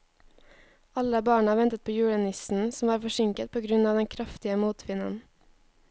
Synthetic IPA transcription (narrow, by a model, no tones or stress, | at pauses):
ɑləbɑːɳɑʋɛnt̪ət̪̚pʰoːjʉːɽɛnɪsn̩sm̩ʋɑːɾfɔʃɪŋkət̪̚pʰoːɡɾʉnɑːʋd̪ɛŋkʰɾɑft̪ɪəmuːt̪ʰʋɪnə̰n